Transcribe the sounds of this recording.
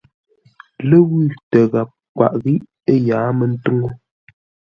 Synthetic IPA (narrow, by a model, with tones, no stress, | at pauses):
lə˦wi˦˨tə˨ɣa˨p̚kwa̰˨ʔɣi˦ʔ | ə˦jaː˨˦mə˨n̩˦tu˦ŋo˦